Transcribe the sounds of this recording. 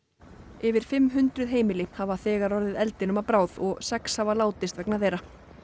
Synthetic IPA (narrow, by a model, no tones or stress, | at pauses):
ɪvɪɾ̥fɪmːɦʏnt̪ɾʏðɦeːjmɪlɪhavaθɛːɣaɾɔɾðɪðɛlt̪ɪnʏmapɾaːwðɔɣsɛkshavalaːwt̪ɪst̪vɛknaθejɾa